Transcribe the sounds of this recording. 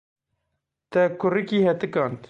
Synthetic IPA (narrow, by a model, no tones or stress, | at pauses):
t̪ɛkʰʊrikiːhɛt̪ɨkɑːnt̪